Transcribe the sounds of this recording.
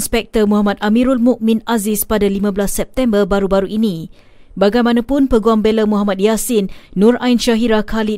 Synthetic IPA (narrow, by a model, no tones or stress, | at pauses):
nspɛk̚t̪ərmuɦamat̪̚ʔamiɾulmuʔmĩnazɪspadalimãbəlasːɛp̚t̪ɛmbərbaɾubaɾuʔini | baɡajmanãpʊnpəɡuaŋbeləmuɦamãt̪̚jasinːũrʔainʃaɦiɾakʰali